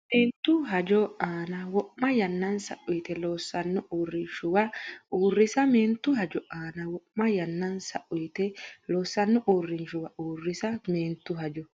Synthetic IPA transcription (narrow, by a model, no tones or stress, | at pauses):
meːnt̪ːʊɦɐd͡ʒɔʔaːnɐwɔʔmːɐjɐnːɐnsɐ̰ʔʊjt̪ɛloːsːɐnːʊʔuːrːɪnʃʊwɐʔuːrːɪsɐmeːnt̪ːʊɦɐd͡ʒɔʔaːnɐwɔʔmɐjɐnːɐnsɐ̰ʔʊjt̪ɛloːsːɐnːʊʔuːrːɪnʃʊwɐʔuːrːɪsɐmeːnt̪ːʊɦɐd͡ʒɔ